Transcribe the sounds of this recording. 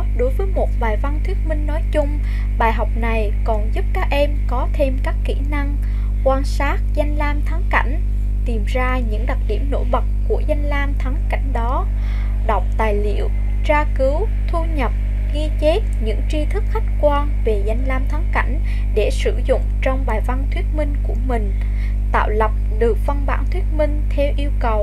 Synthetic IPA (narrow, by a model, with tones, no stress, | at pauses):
ɗo˨˦jvəː˨˦jmo˨˩t̚vaː˨˩jva˧nt̪ʰwi˦˥ət̚mï˧ŋ̟nɔ˨˦jt͡ɕʊ˧ŋ͡m | ɓaː˨˩jɦa˨˩wk͡p̚na˨˩j | kɔ˨˩nzu˦˥p̚kaː˦˥k̚ʔɛ˧mkɔ˨˦t̪ʰe˧mkaː˦˥kːḭ˧˩na˧ŋ | kwaː˧nsaː˦˥t̚za˧jŋ̟laː˧mt̪ʰaː˨˦ŋka̰˧˩jŋ̟ | t̪i˨˩mzaː˧ɲɨ̰˧˥ŋɗa˨˩k̚ɗi˧˩əmno̰˧˥jɓə˨˩t̚ku˧˩əza˧jŋ̟laː˧mt̪ʰa˨˦ŋka̰˧˩jŋ̟ɗɔ˨˦ | ɗɔ˨˩wk͡p̚t̪aː˨˩jlḭ˧˩əw | t͡ɕaː˧kɨ˨˦w | t̪ʰu˧ɲə˨˩p̚ | ɣi˧t͡ɕe˦˥t̚ɲɨ̰˧˥ŋt͡ɕi˧t̪ʰɨ˦˥k̚xa˦˥jk̟̚kwaː˧nve˨˩za˧jŋ̟laː˧mt̪ʰa˨˦ŋka̰˧˩jŋ̟ | ɗe˧˩sɨ̰˧˩zʊ̰˧˨ŋ͡mt͡ɕɔ˧wŋ͡mɓaː˨˩jva˧nt̪ʰwi˦˥ət̚mï˧ŋ̟ku˧˩əmï˨˩ŋ̟ | t̪a̰ː˧˨wlə˨˩p̚ɗɨ˨˩ək̚və˧nɓa̰ː˧˩nt̪ʰwi˦˥ət̚mï˧ŋ̟t̪ʰɛ˧wʔi˧əwkə˨˩w